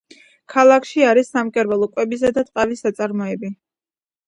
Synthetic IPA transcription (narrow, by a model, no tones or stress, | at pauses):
kʰalˠakʰʃiaɾisːamkʼɛɾbalˠɔkʼwɛbis̬ad̪at̪ʼqʼavisat̪sʼaɾmɔɛbi